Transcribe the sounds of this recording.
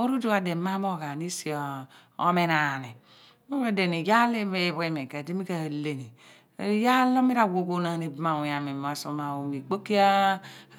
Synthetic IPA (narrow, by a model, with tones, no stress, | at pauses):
o˦ɾu˦do˦a˨de˨ma˦mo˦˨ka˨ni˦si˨o˨o̰˦me˦˨na˨ni˨˦ | mo˦a˦de˨ni˨ja˦le˦e˦˨βe˦me˨ke˨di˦mi˦ka˨a˨le˨ni˨˦ | ja˦lo˦mi˦ɾa˨wo˨ko˦na˨ni˨bma˨u˨ja˨me˨m˨a˨so˨ma˨o˨mi˨k͡po˦ki˦a˦